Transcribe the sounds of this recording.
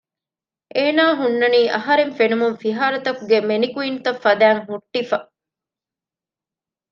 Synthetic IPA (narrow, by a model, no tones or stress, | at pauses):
ʔeːnaːɦunːɐniːʔɐɦɐɾeɱfenumunfiɦaːɾɐt̪ɐkuɡemenikuint̪ɐfːɐd̪æːŋɦuʈːifɐ